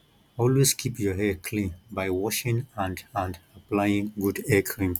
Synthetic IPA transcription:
ɔlweskʰipjɔɦɛkʰlĩnbajwɔʃĩŋãndãndaplajĩŋɡudɛkʰɹĩm

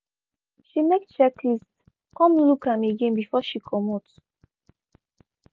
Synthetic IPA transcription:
ʃinɛkt͡ʃɛklist | kɔ̃mlukãmeɡẽnbifɔʃikʰɔmot

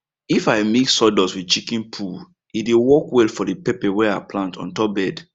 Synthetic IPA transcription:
ifaɪmiksɔdɔswit͡ʃikĩnpʰul | idewɔkwɛlfɔdipɛpɛwɛa̰plãntʰɔ̰̃ntɔbɛd

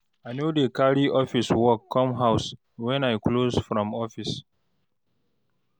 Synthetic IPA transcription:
aɪnjudəkaɹiʔɔfiswɔkʰːɔ̃mɦaʊs | wɛ̃najklozfɹɔ̃mɔfis

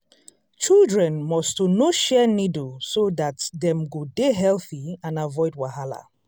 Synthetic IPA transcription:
t͡ʃilˠdɹɛ̃nmɔstonoʃɛnidusoðatdɛ̃mɡodeɦɛlˠθiãnavɔɪd̚waɦala̰

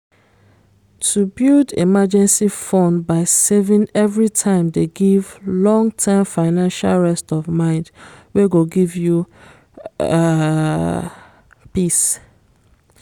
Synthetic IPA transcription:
tʰubildḛmad͡ʒɛ̃nsifɔ̃nbaɪsevĩŋɛvɹitʰãɪ̃mdeɡivlɔ̃ŋtʰɛmfaɪnãnʃalɹɛstɔvmãɪ̃ndweɡoɡivju | pis

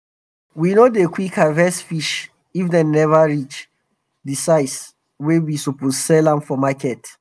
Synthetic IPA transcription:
winodekʰwikʰavɛsfiʃ | ifdɛ̃nɛvaɹit͡ʃ | disaɪs | wewisupossɛlãmfɔmakɛt

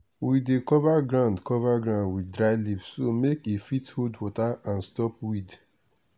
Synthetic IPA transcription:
widekɔvaɡɹãʊ̃ndkɔvaɡɹãʊ̃ndwidɹaɪlipssomekefithodwɔtaãnstɔp̚wid

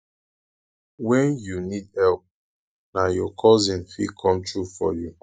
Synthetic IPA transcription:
wɛ̃njunidɛlp̚ | najɔkʰɔzĩnfikʰɔ̃mtʰɹufɔ̰ju

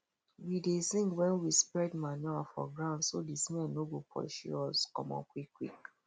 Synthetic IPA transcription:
widesĩŋɡwɛ̃nwispɹɛdmanɔafɔ̰ɡɹãʊ̃ndsodisinɛnobupʰɔ̰ʃṵɔskɔ̰̃mɔ̰̃kwikʰwḭk

